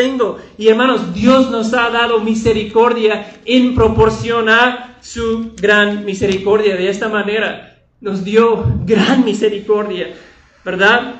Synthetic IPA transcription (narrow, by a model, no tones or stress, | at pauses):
eŋɡoieɾmãno̞zd̪jozno̞saðaðo̞mise̞ɾiko̞ɾðjaempɾo̞po̞ɾsjo̞naɾsuɡɾanmise̞ɾiko̞ɾðjaðeest̪amane̞ɾa | no̞zðjo̞ɡɾanmise̞ɾiko̞ɾðja | beɾðað